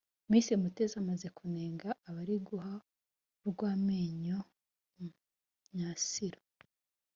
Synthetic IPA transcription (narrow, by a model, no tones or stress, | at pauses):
miːsimute̞zamaze̞kune̞ːŋɡaːβaɾiɡuɦa | ɾɡwaːmeːɲo | ɲasiɾo